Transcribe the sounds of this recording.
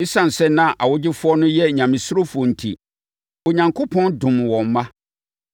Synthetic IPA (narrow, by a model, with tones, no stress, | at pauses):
ɪ˦sã˨n̩˨sɛ˦nã˦˨ʔa˨wʊ˦d͡ʑɪ˦fʊ˦ɔ˦nʊ̃˦jɛ˦˨ɲã˨mɪ̃˨sʊ˦ɾo˦fʊ˨ɔ˨n̩˨tʰḭ˨ | o˨ɲã˨ŋkʰo˦pʰɔ̃˦ndʊ̃˨m˨wɔ̃˨m˦mã˦